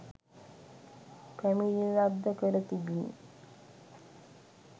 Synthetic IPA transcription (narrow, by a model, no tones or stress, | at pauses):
pæmiliɾabd̪əkəɾət̪ibinḭ